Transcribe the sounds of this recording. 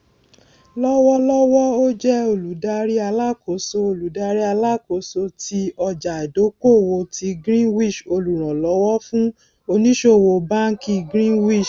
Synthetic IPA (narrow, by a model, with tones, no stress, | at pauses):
lɔ˦wɔ˦lɔ˦wɔ˦o˦d͡ʒɛ˦o˧˨lu˨˦da˧ɾi˦a˧la˦˨ko˨˦so˧o˧˨lu˨˦da˧ɾi˦a˧la˦ko˨˦so˧ti˧ɔ˧d͡ʒa˨do˨˦ko˦˨wo˧tʰi˧ɡɾĩ˦˨wi˦˨ʃo˧lu˨ɾ̃ã˨lɔ˨˦wɔ˦fũ˦ | o˧nĩ˦ʃo˦˨wo˧ba˦ŋ̩˦ki˧ɡɾ̃ĩ˦˨wi˦˨ʃ